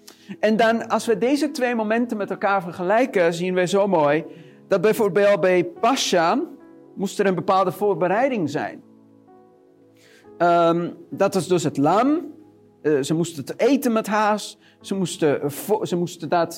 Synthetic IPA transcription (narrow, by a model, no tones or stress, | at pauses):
ʔɛndɔnɑlˠsʋədeːzətʋeːmomɛntənmɛtɛlˠkaːɹfərχəlɛjkəziənʋɛjzowmoːj | d̥ɑt̚bɛjfoːrbeːlˠt̚bɛjpaʃa | mustəɾənbəpaːlˠdəfoːrbəɾɛjdɪŋzɛ̰jn | ədɑtʋɑsdøsɦətlam | zəmustətejtənmɛtɦaːs | səmustəfzəmustədɔt